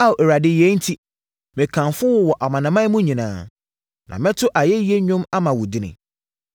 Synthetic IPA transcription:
a˦o˨ɛ˨ɾa˨dɪ˨jɛ˦n̩˦tʰi˦ | mɪ̃˨kʰã˨fʊ˦wɔ˦wɔ˨ʔa˨mã˨nã˨mã˦mũ˦ɲĩ˨nã̰ː˨˦ | nã̰˨mɪ̃˦tʰʊ˦ʔa˨jɛ˦ji˦e˦ɲʊ̃˦ma˦mã˨wʊ˨dɪ˦nɪ̰̃˨

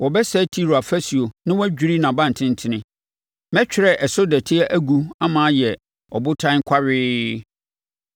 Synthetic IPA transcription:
wɔ˨bɛ˦sɛ˦tʰi˦ɾo˨a˨fæ˦si˨o˨nɪ̃˦wɔ˦æ˦d͡ʑᶣi˨˦ɾi˦nã˨bã˦˨n̩˨tʰɪ̃˦n̩˦tʰɪ̃˦nɪ̃˦ | mɛ̃˦t͡ɕᶣɪ˨ɾɛ˦ʔɛ˨sʊ˦dɛ˨tʰɪ˦ɛ˦ʔæ˦ɡu˦a˦mã˨˦jɛ˨ | ɔ˨bʊ˦tʰã˦ŋ˦kʷʰa˦ɥɪː˦

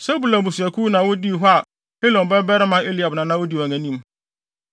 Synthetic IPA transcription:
sɛ˦bu˨lã˨bu˨si˨æ˨kʰu˦nã˨wʊ˦di˦˨ɦɔ˦a˨ | he˦lɔ̃˨m˨bɛ˦bɛ˦ɾɪ˦mã˦e˦li˨a˨bnã˨nã˦wʊ˦di˦wa˨ŋæ̃˨nĩ˦m

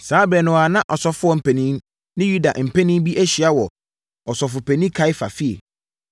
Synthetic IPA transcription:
saː˨˦bɛ˨nʊ̃˨a˨nã˦ʔɔ˨sɔ˨fʊ˦ɔ˦m̩˨pʰɛ˨nĩ˦m | nɪ̃˦ju˦da̰˨ʔm̩˨pʰɛ˦nĩ˦m˦bi˦ʔæ˦ɕi˨a˦wɔ˨ | ɔ˨sɔ˨fʊ˨pʰɛ˨nĩ˦kʰa˨˦ɪ˦fa̰˨fi˦ḛ˨

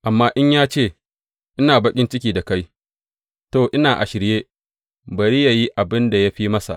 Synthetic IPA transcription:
ʔa˨mːaː˦ʔɪ˦ɲjaː˦t͡ʃeː˦˨ | ʔɪ˦naː˨bɐ˦kʲʼɪ˦nt͡ʃɪ˦kʲiː˨da˨ka˦j | toː˦˨ʔɪ˦naː˨ʔa̰˨ʃɪ˨ɾjeː˦ | bɐ˨ɾi˦ja˨ji˦ʔa˨bɪ˦nda˨ja˦ɸi˦mɐ˦sa̰˨ʔ

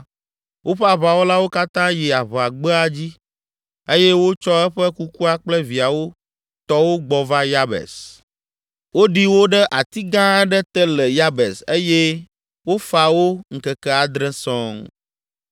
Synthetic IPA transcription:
wʔo˦ɸɛ˦a˨βa˨wo˦la˦wo˦ka˦t̪ã˦ji˨a˨βɛ˨a˨ɡ͡bɛ˦a˦d͡ʑi˦ | e˦jɛ˦wo˦t͡ʃɔ˦ɛ˦ɸɛ˦ku˦ku˦a˦k͡plɛ˦vi˨a˨wo˦ | t̪ɔ˦wo˦ɡ͡bɔ˨va˦ja˦bɛ̰˨s | wo˦ɖi˦wo˦ɖɛ˦ʔa˨t̪i˦ɡã˦ɛ˦ɖɛ˦t̪ɛ˦lɛ˨ja˦bɛ˨se˦je˦ | wo˦fa˨wo˦ŋ̩˨kɛ˨kɛ˦a˨d̪ɾɛ̃˦sɔ̃˦ŋ

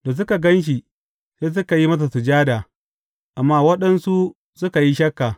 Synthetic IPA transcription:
da˨s̬ʊ˦ka˨ɡɐ˦nʃ̬i˨ | seː˦s̬ʊ˦ka˨ji˦mɐ˦s̬a˨su˨d͡ʒaː˦daː˨ | ʔa˨mːaː˦wɐ˦ɗɐ˦nsu˦ | sʊ˦ka˨ji˦ʃɐ˦kːaː˨

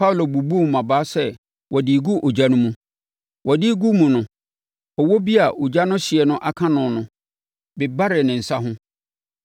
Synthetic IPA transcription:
pʰa˦wlo˨bu˨bu˦m˨mːã˨baː˦sɛ˦˨ | wʔɔ˨dɪ˨ɡu˦ʔo˨d͡ʑa˦nʊ̃˦mũ˦ | wʔɔ˨dɪ˦ɡu˦mũ˨nʊ̃˨ | ɔ˨wo˦bi˦a˨ʔo˨d͡ʑa˦nʊ̃˦ɕɪ˨ɛ˨nʊ̃˦ʔa˨kʰã˦nʊ̃˨nʊ̃˨ | bɪ˨ba˦ɾɪ˨nɪ̃˨n̩˨sa˦ɦʊ̃˦

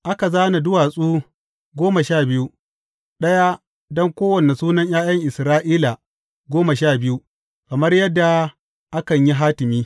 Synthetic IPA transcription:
ʔa˦ka˨zaː˦na˨dʊ˦waː˨sʼuː˦ | ɡʷoː˦ma˨ʃaː˦˨bɪ˦ju˦ | ɗɐ˦ja˦ | dɔ˦ŋkʷoː˦wɐ˨ne˨suː˦nɐ˦ɲjaː˦jɐ˦ŋʔɪ˨sɾaː˦ʔiː˦la˨ | ɡʷoː˦ma˨ʃaː˦˨bɪ˦ju˦ | kɐ˨mɐ˦rjɐ˦dːa˨ | ʔa˦kɐ˨ɲji˦ɦaː˦tɪ˨miː˦

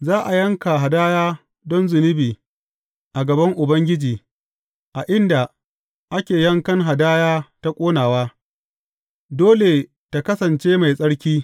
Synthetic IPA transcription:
zaː˦ʔa˨jɐ˦ŋka˨ɦa˨daː˦jaː˦ | dɔ˦nzʊ˨nɪ˦biː˨ | ʔa˨ɡɐ˨bɐ˦ŋʔʊ˨bɐ˦ŋɡʲɪ˦d͡ʒiː˨ | ʔa˨ʔɪ˦nda˨ | ʔa˦kʲeː˨jɐ˦ŋkɐ˦ŋɦa˨daː˦jaː˦ta˦kʷʼoː˦naː˨waː˦ | doː˦le˨ | ta˨kɐ˦sɐ˨nt͡ʃeː˦ma˨jsʼɐ˦ɽkʲiː˦

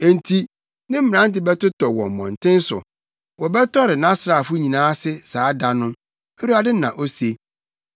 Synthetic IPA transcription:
e˨n̩˨tʰi˦ | nɪ̃˦m̩˦mɪ̃˨ã˦n˦tɪ˨bɛ˦tʊ˦tʰɔ˨wɔ̰̃˨m̩˨mɔ̰̃˨n˨tʰɪ̃˦n˦sʊ̰˨ | wɔ˨bɛ˦tʰɔ˦ɾɪ˨nã˦sɾa˨fʊ˦ɲĩ˨nãː˦sɪ˦saː˨˦da˦nʊ̃˦ | e˦ɾu˦a˨dɪ˦nã̰˨ʔo˦se˦

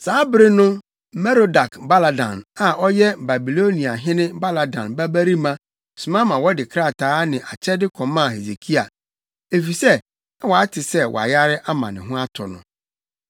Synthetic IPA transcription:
saː˨˦bɪ˦ɾɪ˦nʊ̃˦˨ | mɛ˦ɾo˨da˨kba˦la˨dã̰˨na˨ʔɔ˦jɛ˦ba˨bi˨lo˦nĩ˨a˨ɦɪ̃˦nɪ̃˦ba˦la˨dã̰˨nba˦bæ˦ɾi˦mã˦ | su˨mã˦mã˨wɔ˦dɪ˨kʰɾa˦˨tʰaː˦nɪ̃˨ʔa˨t͡ɕʰɛ˦dɪ˦kʰɔ̃˨mã˦˨he˨se˨kʰi˦a˨ | e˨fi˨sɛ˦ | a˦wɔ˨a˦tʰɪ˨sɛ˦wʔɔ̰˨a̰˨ja˦ɾɪ˦ʔa˦mã̰˨nɪ̰̃˨ɦʊ̃˦a˦tʰɔ̰˨nʊ̰̃˨

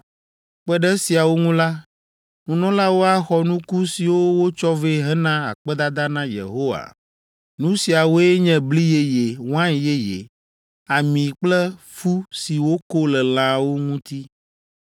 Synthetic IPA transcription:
k͡pɛ˦ɖɛ˦si˨a˨wo˦ŋũ˦la˦ | nũ˦nɔ̃˦la˦wo˦a˦xɔ˦nũ˦ku˦si˨wo˦wo˦t͡ʃɔ˦ve˦ɦɛ˦nã˦a̰˨k͡pɛ˦d̪a˦d̪a˦nã˦jḛ˨ɦo˦wa̰˨ | nũ˦si˨a˨wo˦e˦ɲɛ̃˦˨bli˦je˦je˨wã˦˨je˦jḛ˨ | a˨mĩ˨k͡plɛ˦ | fu˦si˨wo˦ko˦lɛ˨l̃ã˨wo˦ŋũ˦t̪i˦

